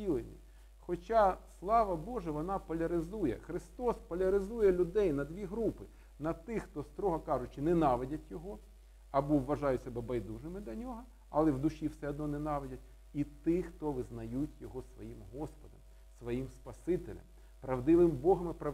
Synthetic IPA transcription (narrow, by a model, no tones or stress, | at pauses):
ilˠɪnʲḭ | xɔt͡ʃɑslˠɑʋɐbɔʒɛʋɔnɑpɔlʲɐɾɪzujɛxɾɪst̪ɔspɔlʲɐɾɪzujɛlʲʊd̪ɛjnɐd̪ʲʋʲiɦɾupɪ | nɐt̪ɪxt̪ɔst̪ɾɔɦɐkɑʒʊt͡ʃɪnɛnɑʋedʲɐtʲjɔɦɔ | ɐbɔʋːɐʒɑjʊsɛbɛbɐjd̪uʒɪmɪdlʲɐnʲɔɦɐ | ɐlˠɛwd̪ʊʃʲiwsɛɔd̪̚nɔnɛnɑʋedʲɐt̚ʲ | it̪ɪxt̪ɔʋɪznɐjutʲjɔɦɔsʋɔ̰jimɦɔspɔd̪ɐ̰m | sʋɔjimspɐsɪt̪elʲɐ̰m | pɾɐʋd̪ɪʋɪmbɔɦɐmɪpɾɐ